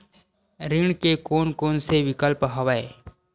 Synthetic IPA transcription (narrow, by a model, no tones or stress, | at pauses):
ɾɪɳkekoːnkoːnseʋɪkəlpɦəʋaeː